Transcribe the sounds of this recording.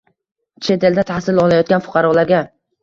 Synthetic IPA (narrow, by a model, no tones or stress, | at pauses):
t͡ʃʰe̞t̪ʰe̞ld̪at̪ʰahsɪlɒlˠajɒt̪̚ɡʲanfʊ̥qʰɑɾɒlaɾɡʲa